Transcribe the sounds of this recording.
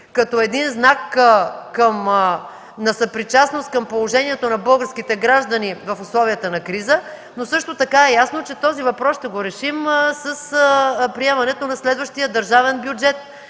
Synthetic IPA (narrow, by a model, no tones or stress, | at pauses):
kɐt̪ɔɛd̪inznakkəm | nɐsəpɾit͡ʃasnost̪̚kəmpolˠoʒɛniɛt̪onɐbɤlˠɡəɾsk̟it̪ɛɡɾaʒd̪ənivɐfʊslˠɔvijət̪ənɐkɾizə | nosɤʃt̪ot̪ɐkaɛjasnot͡ʃɛt̪ɔzivɐpɾɔsʃt̪ɛɡoɾɛʃimsəspɾiɛmɐnɛt̪onɐslɛd̪vəʃt̪ijəd̪əɾʒavɛnbjud͡ʒɛt̪̚